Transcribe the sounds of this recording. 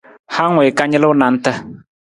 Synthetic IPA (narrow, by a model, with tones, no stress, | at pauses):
ha˦ŋwe˨ka˦ɲɪ˦lʊ˦wna˨n̩˦tə˦